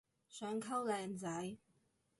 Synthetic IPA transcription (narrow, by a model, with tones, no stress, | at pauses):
sœː˨˧˥ŋkʰɐ˥wlɛː˨˧nt͡sɐ˨˥j